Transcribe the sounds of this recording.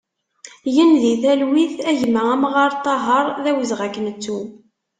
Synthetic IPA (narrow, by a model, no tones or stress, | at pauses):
jənðiθælwiθæʝmææmʁɑɾˤt̪ˤːɑɦəɾˤðæwəzʁækːənt͡sːu